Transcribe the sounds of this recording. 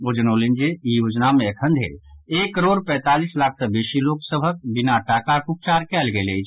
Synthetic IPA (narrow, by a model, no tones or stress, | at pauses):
oːd͡ʒənoːlind͡ʒeijoːd͡ʒnamẽekʰə̃nd̪ʱḛeːkkːəɾoːɾpɛ̃ːt̪aːliːslaːk̚ʰsəbeːʃiloːksəbʱək̚bɪnaʈaːkaɾkuk̚t͡ʃaːɾkɛːlɡelei